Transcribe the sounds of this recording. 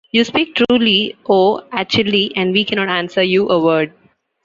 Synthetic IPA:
juːspiːk̚ʈʰɾuːlioːæk̚t͡ʃʊəliʔɛ̃ɳɖʋiːkɛnɔːʈãnsəɾjuːʔəʋəːɾɖ̚

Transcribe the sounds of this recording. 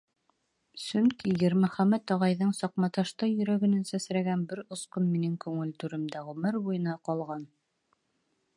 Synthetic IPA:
sɵŋkijɘ̆ɾmɘ̆χæmæt̪ɒʁɑjðɤɴsɒqmɑt̪ɑʃt̪ɤjɵ̆ɾæɡɘ̆nænsæsɾæɡænbɘɾŏsqonminɘŋkʉŋɘlt̪ʉɾɘ̆md̪æʁɵmɘɾbujɤ̆nɑqɑlˠʁɑn

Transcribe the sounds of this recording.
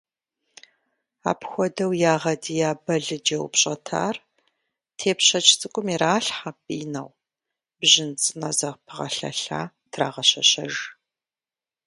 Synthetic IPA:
a̰ːpxʷɔdɐwjaːʁɐdijaːbɐɮɨd͡ʒɐwpɕʼɐtʰa̰ːr | tʰeːpɕɐt͡ʃʰʼt͡sʼɨkʷʼʊmiraːɬħapʼiːnɐ̰w | bʑɪnt͡sʼɨnɐzɐʁpʰɨʁɐ̰ɬɐ̰ɬa̰ː | tʰra̰ːʁɐɕɐɕɐʒ

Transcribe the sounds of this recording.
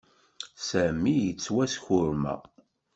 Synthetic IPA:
sæmijət͡sːwæsçʊɾmæ̰

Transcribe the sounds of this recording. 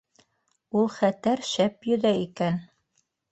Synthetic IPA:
ulˠχæt̪æɾʃæpjɵ̆ðæikæn

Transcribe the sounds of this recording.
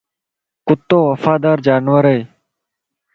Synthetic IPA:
kʊt̪ːoːʋəfaːd̪aːɾd͡ʒaːnʋəɾəi

